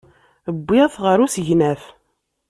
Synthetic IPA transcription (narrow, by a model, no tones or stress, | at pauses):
əbːiæθʁəɾusəʝnæf